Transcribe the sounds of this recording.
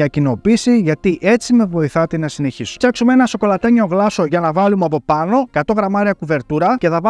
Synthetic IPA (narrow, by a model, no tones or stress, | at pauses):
ɐcino̞pisiʝɐt̪iʔe̞t͡sime̞vo̞iθɐt̪enɐsine̞çisu̥ɐksumeenɐso̞ko̞lɐt̪eɲo̞ɣlɐso̞ʝɐnɐvɐlumeɐpo̞pɐno̞kɐt̪o̞ɣɾɐmɐɾiɐkuve̞ɾt̪uɾɐce̞θɐv